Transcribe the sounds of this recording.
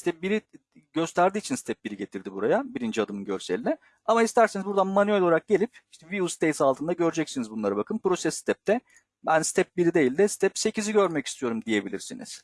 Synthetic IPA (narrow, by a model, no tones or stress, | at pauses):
st̪ʰɛp̚biɾi | ɟøst̪ʰæɾd̪iːt͡ʃʰinst̪ʰɛp̚biɾiɟe̞t̪ʰiɾd̪ibuɾajabiɾind͡ʒiad̪ɯmɯnɟø̰ɾsḛlʲinɛ | amaist̪ʰæɾsinizbuɾd̪anmanyølʲolˠaɾak̚ɟe̞lʲipiʃt̪ɛviust̪ʰejsalˠt̪ʰɯnd̪aɟø̞ɾd͡ʒɛcsinizbunlˠaɾɯbakʰɯnpɾo̞sɛsːi̥t̪ʰɛp̚t̪ʰɛ | bænst̪ʰɛp̚biɾid̪e̞jilʲd̪ɛsi̥t̪ʰɛpse̞ciziɟø̞ɾmɛcist̪ʰijo̞ɾumd̪ije̞bilʲḭɾsḭnḭz̥